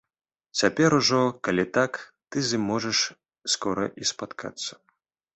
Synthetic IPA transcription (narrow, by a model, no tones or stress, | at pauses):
t͡sʲapʲɛɾuʐɔkalʲit̪ak | t̪ɨzʲɨmːɔʐɛʂ | skɔɾɐ̰ʔispat̪kʰa̰t̪sːɐ̥